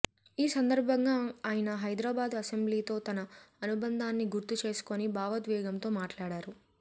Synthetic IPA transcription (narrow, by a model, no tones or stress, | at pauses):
iːsɐnd̪ɐɾbʱɐŋɡaːaːjɐnɐɦɐjd̪ɾaːbaːd̪ɐsembliːt̪o̞ːt̪ɐnɐːnubɐnd̪ʱaːnːiɡuɾt̪ut͡ʃe̞ːsu̥ko̞nibaːʋɐd̪ʋɛːɡɐmt̪o̞ːmaːʈlaːɽaːɾu